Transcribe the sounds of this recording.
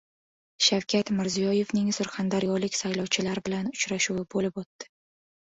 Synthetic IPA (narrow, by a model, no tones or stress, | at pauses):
ʃawkʲʰat̪mɪɾzijɒje̞vnɪŋsʊɾχand̪aɾjɒlɪkʲsajlɒwt͡ʃʰɪlaɾbɪlanʊt͡ʃɾaʃuwɪbolɪpot̪ːɪ̥